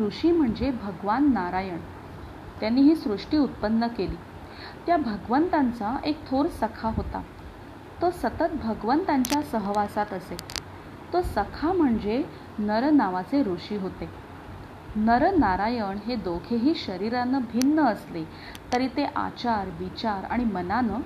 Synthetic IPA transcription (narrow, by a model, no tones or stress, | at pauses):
ɾuʂiːm̤əɳd͡zebʱəɡʋanːaɾajəɳ | t̪janːiːɦiːsɾuʂʈiːut̪̚pənːəkeliː | t̪jabʱəɡʋənt̪ant͡saʔek̚t̪ʰoɾsəkʰaɦot̪a̰ | t̪osət̪ət̪̚bʱəɡʋənt̪ãɲt͡ɕjasəɦʋasat̪əse | t̪osəkʰam̤əɳd͡ze | nəɾnaʋat͡seɾoʂiːɦot̪e | nəɾənaɾajəɳɦed̪okʰeɦiːɕəɾiɾanəbʱinːəəsle | t̪əɾiːt̪eʔa̰t͡ɕaɾʋit͡ɕaɾa̰ɽ̃imənanə